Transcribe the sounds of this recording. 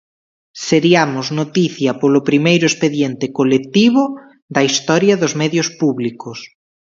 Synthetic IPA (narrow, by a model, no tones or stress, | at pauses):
seɾiamʊznot̪iθjɐpolʊpɾimejɾʊespeðjent̪ɪkolekt̪iβʊ | ðɐist̪ɔɾjɐðʊzmɛðjospuβlikʊs